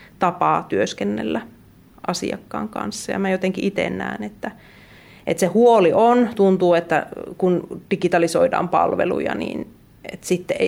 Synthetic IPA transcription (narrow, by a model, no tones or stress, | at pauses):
t̪ɑpɑːt̪yøskenːḛlːæ | ʔɑsḭɑkːɑːŋkɑ̰nsːɑjɑ̰mæjot̪eŋkiʔit̪ḛnːæ̰ːnet̪ːæ | ʔet̪sehuoliʔont̪unt̪uːet̪ːækund̥ikit̪ɑlisoidɑ̰ːmpɑ̰lʋḛlṵjɑ̰nḭːn | ḛt̪sit̪ːee